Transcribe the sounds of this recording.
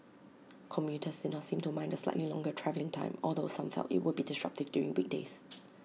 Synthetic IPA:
kʰɔ̃mpjutʰəsdɪdⁿnɔtsĩmtumãɪ̃ndəsla̰ɪʔtlilɔ̃ŋɡətʰɹɛvəlɪ̃ŋtʰã̰ɪ̃mɔlˠdosãmfɛ̰ltɪ̰t̚wʊd̚bidɪstɹ̥ak̚tɪvdjuɹɪ̃ŋbɪɡ̚des

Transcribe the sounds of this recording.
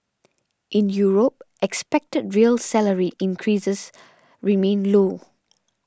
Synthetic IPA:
ʔɪ̃njuːɹop̚ʔɛkspɛk̚tədɹiəlsɛləɹiʔɪ̃nkʰɹisəs | ɹimẽːnloː

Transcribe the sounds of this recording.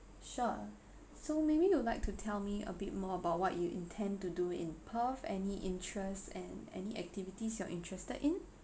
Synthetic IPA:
ʃu | somebijulaɪk̚tʰutʰɛlmiə̰bɪt̚mɔəbaʊt̚wɔʔjuʔḭ̃ntʰɛ̃ntuduɪ̰̃npʰəfɛniʔɪ̃ntʰɹɛstɛ̃nɛ̰niʔɛk̚tivitisjɔʔĩntʰɹɛstədɪ̃n

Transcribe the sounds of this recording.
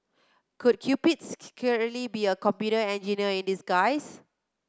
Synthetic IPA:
kud̚kʰjupitskʰɛɹlibiəkɔ̃mpjutəɛ̃nd͡ʒiniəĩndisɡaɪs

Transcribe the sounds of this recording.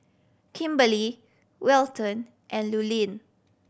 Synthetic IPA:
kʰĩmbəli | wɛltə̃n | ʔɛ̃nlulĩn

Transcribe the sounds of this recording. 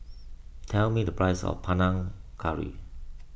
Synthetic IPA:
tʰɛlmidəpʰɹajsɔ̰fpʰãnãŋkʰaɹḭ

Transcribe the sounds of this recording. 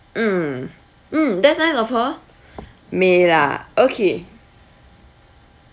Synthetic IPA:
m̩ | m̩dɛsnasɔfɔ | mela̰ʔokʰe

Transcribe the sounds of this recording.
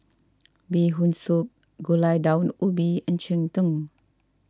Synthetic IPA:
biɦunsup̚ | ɡulajdawnubiənt͡ʃiŋt̪əŋ

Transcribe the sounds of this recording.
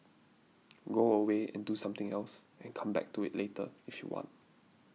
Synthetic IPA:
ɡoəweɛ̰̃ndusãmt̪ɪ̃ŋɛlsɛ̃nkʰãmbɛ̰k̚tuɪ̰tletə̰ifjṵwɔ̰̃nt̚

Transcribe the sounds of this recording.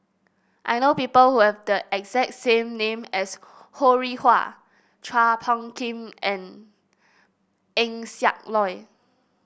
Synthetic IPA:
ʔajnopipəlhuhɛvdəʔɛkzɛk̚tsẽmnẽmɛs | hoɹihwa̰ | t͡ʃʰɹapʰɔ̃ŋkʰĩmɛ̃n | ɛ̃ŋsja̰k̚lɔj

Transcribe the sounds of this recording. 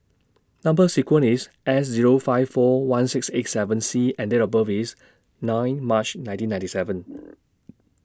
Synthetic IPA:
nãmbəsikwə̃nisʔɛs̬ziɹofaɪvfɔwãnsikset̚sɛvə̃nsiɛ̃ndeɹɔbəvis | nãɪ̃nmat͡ʃnãɪ̃ntĩnãɪ̃tisɛvə̃n

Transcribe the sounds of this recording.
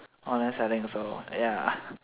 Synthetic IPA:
ɔ̃nɛsɛɾɪ̃ŋsoja

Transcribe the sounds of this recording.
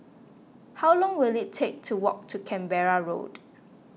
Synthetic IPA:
hawlɔ̃ŋwilitʰek̚tʰuwɔk̚tʰukʰɛ̃mbɛɹaɹo̰d̥

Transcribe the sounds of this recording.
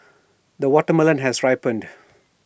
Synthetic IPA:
d̪əwɔʈəmɪlə̃nɦɛsɹaɪpə̃nd

